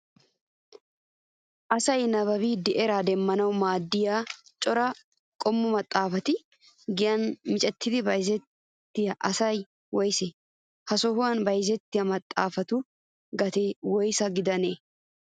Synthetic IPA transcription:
ʔɐsɐjnɐβɐbiːd̪ɪʔɛɾaːd̪ɛmːɐnɐwmaːd̪ːɪjaːt͡ʃʼɔɾɐ | kʼɔmːʊmɐt̪ʼːaːfɐt̪ɪ | ɡɪjɐnmɪt͡ʃʼɛt̪ːɪd̪ɪbɐjzɛt̪ː | ɪjɐʔɐsɐj | wɔjsɛ | hɐsɔhʊwɐnbɐjzɛt̪ːɪjɐmɐt̪ʼːa̰ːfɐt̪ʊ | ɡɐt̪eːwɔjsɐɡɪd̪ɐneː

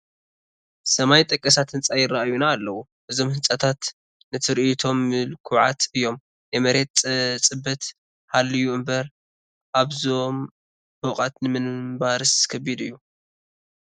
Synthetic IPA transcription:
sɐmajt̪ʼɐkʼːɐsat̪hɨnt͡sʼajɪrːaʔajunaːlːɐwu | ʔɨzo̞mhɨnt͡sʼɐt̪ʰat̪ | nɨt̪ʰɨɾʔit̪ʰo̞mːɨlkʰuʕa̰t̪ɨjːo̞m | jɛmɐɾe̞t̪̚ʼt͡sʼɨbːɐt̪ | halːɨjuɨmbɐɾ | ʔaβzom | hoqʼat̪nɨmɨnmbaɾɨskʰɐbid̪ɨjːu

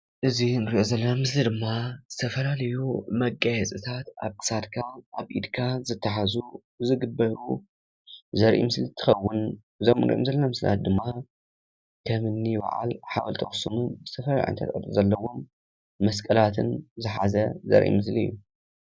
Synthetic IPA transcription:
ʔɨzinɨɾiʔozɐlːɐnamɨslid̪ɨmːazɨt̪ʰɐfɐlalɐjumɐɡːajɛt͡sʼɨt̪ʰat̪ʔa̰βt̪ʰɨ̥sat̪kʰaʔaβʔḭd̪kʰazɨt̪ʰːɐħazu | zɨɡɨbːɐɾṵ | zɐɾʔḭmɨslit̪ʰɨ̥xɐwːʊn | ɨzomnɾḭʔo̰mzɐlːɐnamɨsla̰t̪̚d̪ɨmːa | kʰɐmɨnːibɐ̰ʕa̰lħawɐlt̪ʰɐxsumuzɨt̪ʰɐfɐla̰ʕa̰nt̪ʰɐ̰ɾʼɐ̰d̪ʼozɐlːɐwo̞mː | ɐskʼɐlat̪ʰɨnzɨħazɐzɐ̰ɾʔḭmɨsliɨ̰jːu

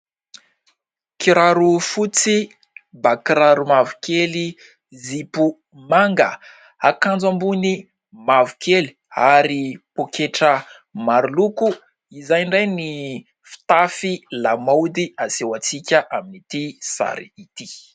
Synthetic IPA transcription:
kiɾaɾufut͡si | bakiɾaɾumavukeli | zipu | maŋɡə | akãnd͡zambuni | mavukʰeli | aɾipokeʈ͡ʂə | maɾuluku | izajɳɖ͡ʐajni | fi̥t̪afilamawd̪iasewat͡sikʲəʔaminit̪isa̰ɾiit̪i

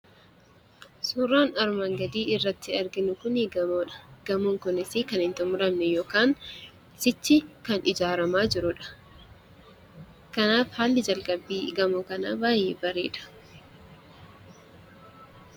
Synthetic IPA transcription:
suːrːaːnɐɾmɐŋɡɐd̪iːɪrːɐt̪ːɪɐɾɡɪnʊkʊniɡɐmoːᶑɐ̥ɡ̥ɐmʊːŋkʊnɪsɪkɐnɪnt̪ʊmʊɾɐmnɛjoːkaːŋ | sɪt͡ʃːɪkɐnʔɪd͡ʒaːɾɐmaːd͡ʒɪɾʊᶑɐ̥ | kɐnaːfhaːlːɪd͡ʒɐlkʼɐbːiːɡɐmokɐnaːbaːjːḛːbɐɾḛːᶑɐ̥

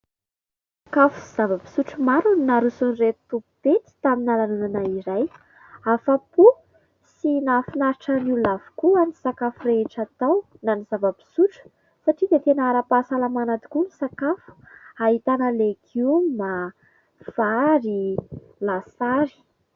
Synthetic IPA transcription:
sakafu̥z̥avabi̥suʈ͡ʂumaɾuninaɾusunirett̪uput̪et̪i̥t̪aminalanunanaiɾaj | afapu | sinafinaɾiʈ͡ʂanilavu̥kuanisakafureɦeʈ͡ʂat̪aw | nanizavabi̥suʈ͡ʂu̥ | saʈ͡ʂid̪et̪enaaɾapasalamanat̪i̥kunisakafu̥ | aɦit̪anəlekʰiuma | v̥aɾi | lasaɾi̥

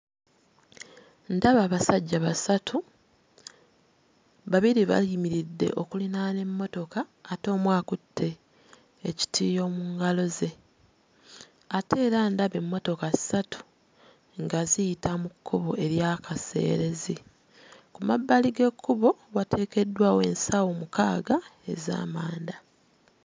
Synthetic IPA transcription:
ndaβaːβasaɟːaβasatʰu | βaβiɾiβa̰limiɾidːe̞̰ʔo̞kulinane̞mːo̞to̞kaːto̞ːmwaːkutːe̞ː | ci̥tʰiːjo̞ːmuːŋɡalo̞ze̞ | ate̞ːɾandaβe̞mːo̞to̞kasi̥satu̥ | ŋɡazijitamukʰːoβo̞ʔe̞ɾjakase̞̰ːɾe̞zi | kumabːaliɡe̞kʰːuβo̞βatʰe̞ːke̞dːwaːwe̞nsawomukaːɡae̞̰za̰ːmaːnda

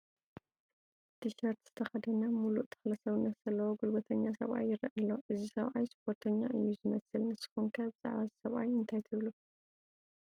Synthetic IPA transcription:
d̪̥ɨʃɐɾt̪z̥ɨt̪ʰɐxɐd̪ɐnamuluʔt̪ʰɐ̥xlɐsɐβɨnːɐt̪z̥ɐlːɐwoɡulbɐt̪ʰɐɲːasɐ̰βʔa̰jːɪɾɐʔɨlːo̞ʔɨzisɐβʔajspʰo̞ɾt̪ʰɐɲːa̰ʔɨjːuzɨmɐsɨlnɨsːɨ̥xunkʰaβza̰ʕβazsɐβʔa̰jɨnt̪ʰajt̪ʰɨβlu

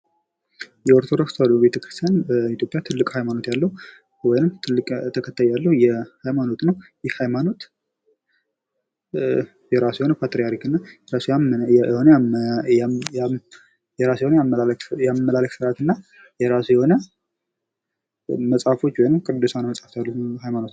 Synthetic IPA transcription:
jɛɔɾt̪ʰod̪o̞kst̪alːube̞t̪ʰəkɾɨst̪ʰjanbəit̪jo̞pʼjat̪ʰɨlːɨkʼhajmano̞t̪jalːəhu | wɔjɪnɨmt̪ʰɨlːɨkʼt̪ʰəkʰət̪ʰːajjalːəhujɛhajmano̞t̪nəwjɪhhajmano̞t̪ | jɛɾasujɛho̞nəpʰat̪ɾijaɾikɨnːajɛɾasuahon | jɛɾasjɛhonəajamːəlaləksɨɾat̪ɨnːa | jɛɾasujɛho̞nə | məsʼafo̞t͡ʃːwɔjnɨmkʼɨd̪ːɨsanaməsʼaft̪jalːuhajmano̞t̪

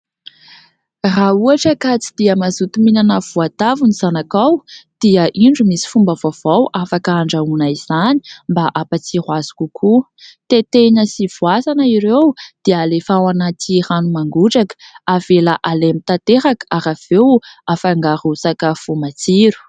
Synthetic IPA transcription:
rauaʈ͡ʂəkat͡sid̪̥iəmazut̪uminanəv̥uat̪avuniz̥anakawd̪̥iəʔiɳɖ͡ʐumisi̥fumbəvav̥awʔafakəaɳɖ͡ʐaunaiz̥ani̥mbaʔapat͡sirwazu̥kukʰu | t̪et̪eɲəsivuasanəiɾewd̪̥ialefawanat̪iranumaŋɡuʈ͡ʂakə̥avelaʔalemit̪at̪eɾakaɾav̥ewafaŋɡaɾusakəv̥umat͡siɾu̥

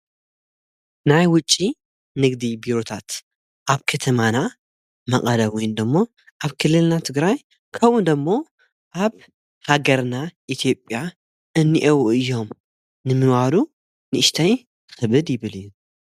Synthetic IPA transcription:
najwʊt͡ʃʼːi | nɨɡd̪ibiɾo̞t̪ʰat̪ | ʔaβkʰɐt̪ʰɐmana | mɐqʼɐlɐβɔjnd̪ɐmːo̞ | ʔaβkʰɨlːɨlnat̪ʰɨɡɾaj | kʰɐwʔund̪ɐmːo̞ | ʔaβ | haɡɐɾnaʔit̪ʰijo̞pʼːja | ʔɨnːiʔɐwɨjːo̞m | nɨmɨnwaɾu | nɨʔɨʃt̪ʰɐj | xɨβɨd̪jɪβɨlɨjːu

